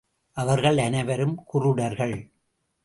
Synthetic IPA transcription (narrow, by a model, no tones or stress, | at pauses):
ʔɐʋɐɾɣɐɭɐnɐɪʋɐɾɯmkʊrɯɽɐɾɣɐɭ